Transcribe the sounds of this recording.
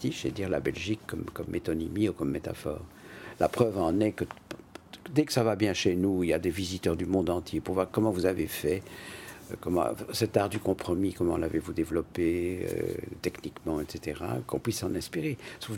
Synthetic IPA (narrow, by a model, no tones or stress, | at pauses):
t̪iʃḛd̪iʁla̰bɛlʒikːɔmkɔmːet̪ɔnimiukɔmːet̪a̰fɔ̰ːʁ | la̰pχœvɑ̃nɛkə | d̪ɛkə̥savabjɛ̃ʃenuilja̰d̪evizit̪œʁd̪ymɔ̃d̪ɑ̃t̪jepuʁvwaʁkɔmɑ̃vuzavefɛ | kɔmɑ̰̃sɛt̪aʁd̪ykɔ̃pχɔmikɔmɑ̃lavevud̪evlɔpeø̰t̪ɛknikmɑ̃ɛt̪set̪eʁa̰kɔ̰̃pɥisːɑ̃nɛ̃spiʁesuv